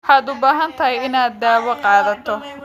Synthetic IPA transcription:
ħɑːd̪ʊbaːɦɐnt̪ʰɐɦɛjɪnaːd̪ːaːwɐqɑːðɐt̪ʰɔ

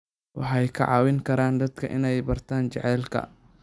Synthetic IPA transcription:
wɑ̰ħɑjkʰɐʕɑːwɪŋkʰɐɾaːnd̪ɐd̪kʰɐʔɪnɛjbɐrt̪ʰaːnt͡ʃɛʕɛːlkʰɐ̰

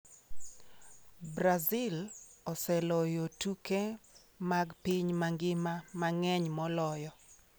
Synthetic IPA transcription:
bɾazɪlɔsɛlɔjotuke | maɡpiɲmaŋɡɪmamaŋɛɲmɔlɔjɔ

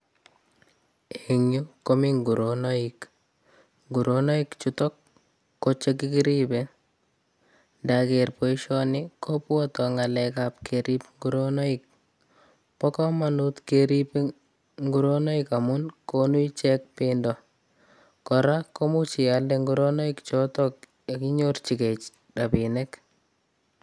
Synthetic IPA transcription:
eɲukomiŋɡuɾonoik | ŋɡuɾonoikt͡ʃutɔkː | ot͡ʃekikiɾibe | ndakerpoiʃɔnɪkʰopwɔtɔŋalɛkap̚keɾipŋɡuɾonɔik̚ | pɔkɔmanut̪keɾipe | ŋɡuɾonɔikamʊnkonuit͡ʃɛk̚pɪndɔ | kɔɾakomut͡ʃialdɛŋɡuɾonɔikt͡ʃɔtɔk̚ | jakiɲort͡ʃiket͡ʃ | rapinɛk

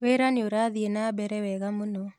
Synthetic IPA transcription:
weɾanɪoɾaðienabɛɾɛwɛɣamuno

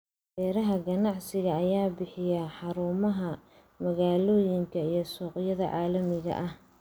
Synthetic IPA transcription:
bɛːɾɐɦɐɡɐnɑʕsɪɣɐːjaːbɪħɪjɐħɑɾuːmɐɦɐ | mɐɣaːlɔːjɪŋkʰɐijɞsɔːqjɐðɐʕɑːlɐmɪɣɐ̰ʔɐh

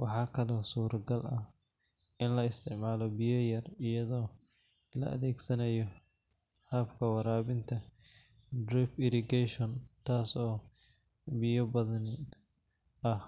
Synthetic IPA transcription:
wɑħɑːkʰɐlɔːsuːɾɡɐlʔɐh | ɪnlɐɪst̪ʰɪʕmaːlɔbɪjɔjɐrɪjɐðɔː | lɐ̰ʔɐ̰ðɛːɡsɐnɐjɔ | hɐːbkʰɐwɐɾaːβɪnt̪ʰɐ | d̪rɪpɪɾɪɡɛʃɔnt̪ʰaːsɔː | bɪjɔbɐðɐn | ʔɐh

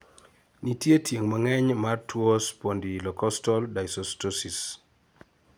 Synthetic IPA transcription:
nitjetʰjeŋmaŋɛɲmartwospondilɔkɔstɔldajsɔstosis

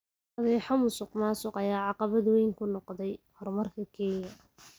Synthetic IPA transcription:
ɐðɛːħɑmʊsʊqmaːsʊqɑjaːʕɑqɑβɐd̪wɛjŋkʰʊnɔqðɛjhɔrmɐrkʰɐkʰɛːjɐ

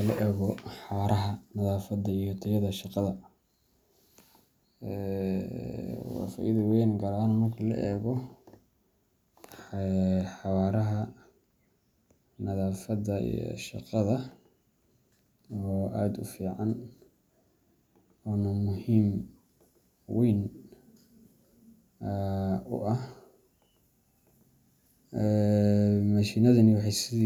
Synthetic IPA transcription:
lɐʔɛːɣɔħħɑwaːɾʔɐɦɐnɐðaːfɐd̪ɐijɔt̪ʰɐjɐðɐʃɑqɑðɐ | ɛ | wɑ̰ːfa̰ːʔiðɐwɛjnɡɐɾaːnmɐrkʰɐlɐ̰ʔɛːɣɔ | ɛħɑwaːɾɐɦɐ | nɐðaːfɐd̪ɐḭjɔ̰ʃɑ̰qɑðɐ | ɔːʔaːd̪ʊfiːʕɑn | ɔːnɐmʊhiːm | wʔɛjn | ʊ̰ʔɐh | ɛ | mɐʃiːnɐðɐnɪwɑħɑjsɪði

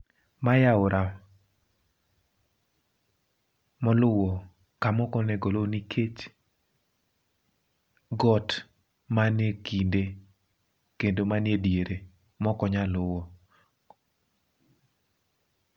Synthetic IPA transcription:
majaʊɾʔa | mɔlʊwɔ | kamɔkɔnɛɡɔlonikʰet͡ʃ | ɡɔt | manekinde | kendomanjedjeɾe | mɔkɔɲalʊwɔ

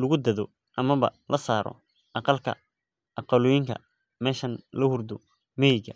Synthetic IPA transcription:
lʊɣʊd̪ɐðɔ | ʔɐmɐβɐ̰lʔɐsaːɾɔ̰ | ʔɑqɑlkʰɐ̰ | ʔɑqɑlʊjɪŋkʰɐ̰ | mɛːʃɐnlɐhʊrd̪ʊ | mɪjɪɡɐ

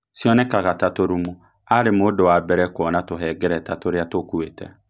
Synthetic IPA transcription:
siɔnɛkaɣatatoɾumu | aɾemodowabɛɾɛkɔnatoɦɛɡɛɾɛtatoɾjatokuetɛ̰

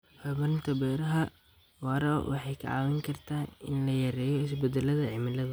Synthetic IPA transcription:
hɔβɐnt̪ʰɐbɛːɾɐɦɐ | wɑɾɐwʔɑ̰ħɑjkʰɐ̰ʕɑ̰ːwɛŋkʰɐrt̪ʰaːɪnlɐjɐɾɛːjɔɪsbɛd̪ɛlɐðɐʕɪmɪlɐðɐ

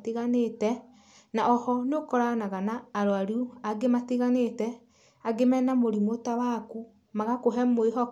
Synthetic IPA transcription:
tiɣanetɛ | naʔɔhɔnokɔɾanaɣanaːɾoaɾiuaɡematiɣanetɛ | aɡemɛnamoɾimotawaku | maɣakoɦɛmoeɦɔ

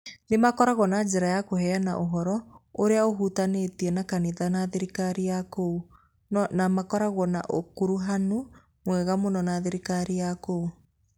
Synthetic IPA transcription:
nemakɔɾaɣɔnad͡ʒɛɾajakohɛana̰ʔoɦɔɾɔoɾeaoɦutanetiɛnakaniðanaðeɾikaɾiakou | nnamakɔɾaɣɔna̰ʔokuɾuɦano | mwɛɣamonɔnaðeɾikaɾijakou

